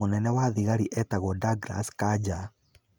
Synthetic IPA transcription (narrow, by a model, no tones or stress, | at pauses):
onɛnɛwaðiɣaɾiʔɛtaɣɔdaɡɾa̰skad͡ʒa